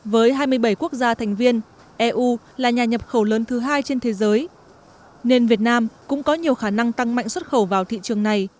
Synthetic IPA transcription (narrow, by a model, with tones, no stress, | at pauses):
vəː˨˦jɦaː˧jmɨ˧əjɓə˧˩jku˦˥ək̚zaː˧t̪ʰɛ˨˩jŋ̟vi˧ən | ʔɛ˧ʔu˧ | laː˨˩ɲaː˨˩ɲə˨˩p̚xə˧˩wləː˨˦nt̪ʰɨ˨˦ɦaː˧jt͡ɕe˧nt̪ʰe˨˦zəː˨˦j | ne˧nvi˨˩ət̚naː˧mkʊ̰˧˥ŋ͡mkɔ˨˦ɲi˨˩əwxaː˧˩na˧ŋt̪a˧ŋma̰˧˨jŋ̟swə˦˥t̚xə˧˩wvaː˨˩wt̪ʰḭ˧˨t͡ɕɨ˨˩əŋna˨˩j